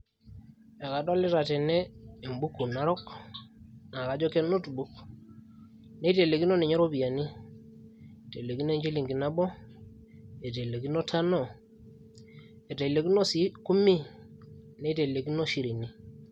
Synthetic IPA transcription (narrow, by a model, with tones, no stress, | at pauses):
e˨ka˨dwa˦li˦ta˨te˨neː˦˨mbu˦kːu˨na˦ɾɔ˦k | na˨ka˨d͡ʒɔ˦ke˦no˦tbu˦k | ne˦i˦te˨le˨ki˦no˦ni˨ɲ˦ɾo˦bi˨a˨ni˦˨ | te˨le˨ki˦n˦e˦ɲd͡ʒi˦li˨ŋɡi˨na˦bɔ˦ | e˨t̬e˨le˨ki˦no˦tʰa˦no˦˨ | e˨te˨le˨ki˦no˦si˨˦ku˦mi˦ | ne˦i˦te˨le˨ki˦no˦ʃi˨ɾi˨ni˦